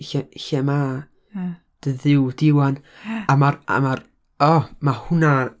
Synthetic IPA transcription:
çɛçɛma | d̥əðɪwdɪwan | amara̰mar | ɔmahʊna

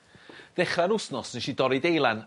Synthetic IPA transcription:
ð̥ɛχraɾʊsnɔsnɪʃidɔɾidejlˠan

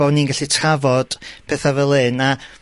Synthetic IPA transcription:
ɔniːnɡaɬitʰavɔd̥pʰɛθavɛlˠɨna

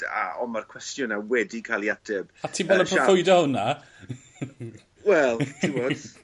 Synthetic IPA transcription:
a̰ɔmarkʰw̥ɛstjʊnawɛdikʰalˠiadʰɪb̥atʰiːbɛlˠəmprɔfʊjdɔhʊna | wɛlˠdiwɔd

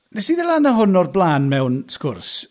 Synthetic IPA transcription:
nɛsiːðəlˠanaɦʊnɔrblˠaːnmɛwnskʊrs

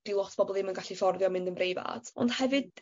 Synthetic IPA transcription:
d̥ilˠɔtʰb̥ʰɔbɔlˠimənɡaɬifɔrðjɔmɪ̃ndənbrejva̰d̥ɔ̰ndhɛvɨd̚

